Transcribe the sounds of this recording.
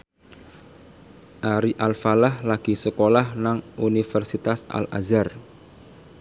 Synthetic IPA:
ʔaɾiʔalfalahlaɡ̥i̤səkolahnaŋunifərsit̪asa̰lʔa̰zar

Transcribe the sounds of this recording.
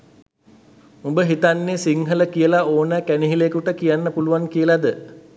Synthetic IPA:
umbəɦit̪anːesiŋɦələkijəlaoːnəkæniɦilekuʈəkijanːəpuluʋaŋkijəlad̪ə

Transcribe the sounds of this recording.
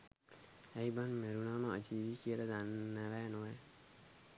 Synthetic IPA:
ejbanmeɾunaːməəd͡ʒiːʋikiəɾəd̪anːɛʋɛːnoe

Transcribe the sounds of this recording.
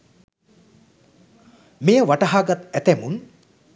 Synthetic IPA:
mejəʋaʈəɦaːɡat̪æt̪æmun

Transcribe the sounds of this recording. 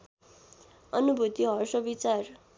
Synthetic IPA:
ʌnubʱut̪iɦʌrsʌbit͡sar

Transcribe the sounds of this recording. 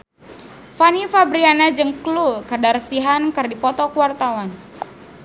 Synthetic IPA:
fanifabɾianad͡ʒəŋklukədarsiɦankərdipɔt̪ɔkuwart̪awan

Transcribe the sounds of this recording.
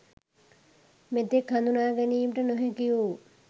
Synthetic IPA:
met̪ːekʰːand̪unaːɡɐnijimʈɐnoɦekijo

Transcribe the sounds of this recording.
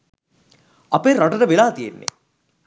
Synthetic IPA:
ɐpeɾɔʈɐɾəʋelaːt̪ijḛnːḛ

